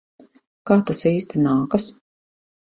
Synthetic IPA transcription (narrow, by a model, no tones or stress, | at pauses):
kaːt̪asiːst̪inaːkɐs